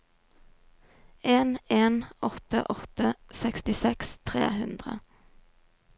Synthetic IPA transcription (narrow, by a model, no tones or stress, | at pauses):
eːneːnɔt̪ə̰ʔɔt̪əsɛkst̪ɪsɛkst̪ʰʁḛːhʉnd̪ʁə̰